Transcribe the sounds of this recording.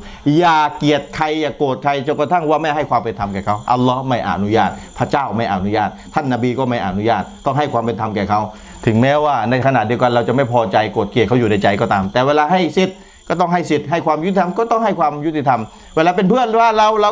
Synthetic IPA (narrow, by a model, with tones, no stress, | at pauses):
jaː˨˩ki˨˩ət̪̚kʰa˧jːaː˨˩koː˨˩t̪̚kʰa˧jt͡ɕo˨˩nka˧t̪ʰa˥˩ŋwaː˧˩ma˥˩jɦa˥˩jkwaː˧mpe˧nt̪ʰa˧mkɛː˨˩kʰa˦˥wʔa˧lːɔː˦˥˩hma˥˩jʔa̰˨˧˩nu˦˥jaː˥˩t̪̚pʰa˧˥t͡ɕaː˥˩wma˥˩jʔa˨˧˩nu˦˥jaː˥˩t̪̚ʰːa˥˩nːa˧biː˧kɔː˥˩ma˥˩jʔa̰˨˩nu˦˥jaː˥˩t̪̚ːɔː˥˩ŋɦa˥˩jkʰwaː˧mpe˧nt̪ʰa˧mkɛː˨˩kʰa˦˥w | t̪ʰɯ˨˩˦ŋmɛː˦˥waː˥˩na˧jkʰa˧na˨˩t̪̚di˧əwka˧nɾa˧wt͡ɕa˨˩ma˥˩jpʰɔː˧t͡ɕa˧jkoː˨˩t̪̚ki˨˩kʰa˦˥wjuː˨˩na˧˩jt͡ɕa˧jkɔː˥˩t̪aː˧mt̪ɛː˨˩weː˧laː˧ɦa˥˩jsi˨˧˩t̪̚ | kɔː˥˩t̪ɔ˥˩ŋɦa˥˩jsi˨˩t̪̚ɦa˥˩jkwaː˧mju˥i˨˩t̪ʰa˧mkɔː˥˩t̪ɔ˥˩ŋɦa˥˩jkʰwaː˧mju˦˥t̪ʰːi˧˩t̪ʰa˧m | weː˧laː˧p̬e˧npʰɯ˥˩ənwaː˧˩ɾa˧wla˧